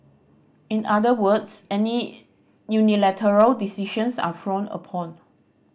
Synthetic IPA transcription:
ĩnadəwədsɛni | junilɛtʰəɹəldisiʃə̃nsa̰fɹõnə̰pʰɔ̃n

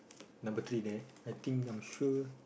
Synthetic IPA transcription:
nʌ̃mbət̪ʰɹide | ajt̪ĩŋãmʃu

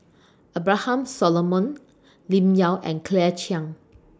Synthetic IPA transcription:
ʔəbɹahãmsɔlɔmɔ̃n | lĩmjawʔɛ̰̃nkʰlɛt͡ʃiãŋ

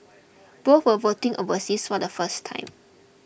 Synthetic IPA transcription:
b̥oθwəvotĩŋʔovəsisfɔdəfəstʰːã̰ɪ̃m

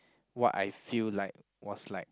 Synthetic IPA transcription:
wɔta̰jfillaɪk̚ | wɔslaɪk̚

